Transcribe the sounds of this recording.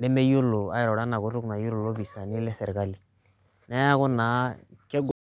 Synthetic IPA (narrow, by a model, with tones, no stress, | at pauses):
dɛ˦me˦jo˦lo˨a̰˦jɛ˨ɾɔ˨ɾa˦na˨ko˦ɾu˦kna˨ju˦lo˨lo˦bi˨sa˨ni˦lɛ˦sɛ˨ɾka˦li˨ | na˦a˦ko˦naː˨˦ke˦ɡ